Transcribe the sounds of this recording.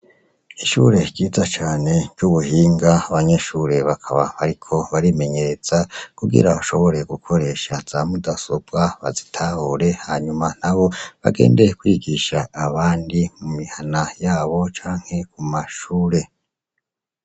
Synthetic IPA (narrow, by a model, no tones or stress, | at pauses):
iʃṵɾe̞ɟɟiːzat͡ʃaːne̞ɟɟuβuhiːŋɡaaβaɲe̞ʃuɾe̞βakʰaβa̰βaɾikʰo̞βaɾime̞ɲe̞ɾe̞z̥akuɡḭɾaβaʃo̞βo̞ɾe̞ɡukʰo̞ɾe̞ːʃaz̥amudasob̚ɡaβa̰zitʰahuɾe̞haːɲuman̥aβo̞βa̰ɡe̞̰ːnde̞jekwiːɡiʃaːβaːndimumihanajaːβo̞t͡ʃaːŋ̥he̞kumaʃuːɾe̞